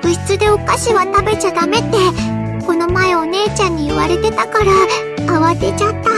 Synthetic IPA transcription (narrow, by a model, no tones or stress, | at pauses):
bɯ̟ɕi̥t͡sɨd̪e̞o̞kaɕiβat̪abe̞t͡ɕad̪ame̞t̪ːe̞ | ko̞no̞mae̞o̞ne̞ːt͡ɕãɲ̟ːiiβaɾe̞t̪e̞t̪akaɾaː | βat̪e̞t͡ɕat̪ːa